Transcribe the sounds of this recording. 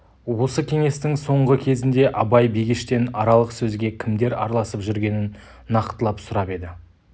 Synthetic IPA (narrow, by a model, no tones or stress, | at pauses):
wo̞səkʲʰe̞ŋe̞st̪ɪŋso̞ɴʁəkʲʰe̞zɪnd̪e̞ʔɑbɑjbijɡʲɪʃt̪e̞nɑɾɑlˠəqsɵzɡʲe̞kʲʰɪmd̪e̞ɾɑ̰ɾlˠɑsəpʒʏɾɡʲe̞nɪnː | ɑqt̪əlˠɑpsʊɾɑpe̞d̪ɪ